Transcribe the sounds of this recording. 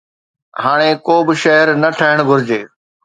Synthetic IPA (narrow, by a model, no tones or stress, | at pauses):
haːɽ̃ekoːbɪʃɐɦəɾnɐʈʰaɦɪɽ̃ɡʱʊɾɪd͡ʑeː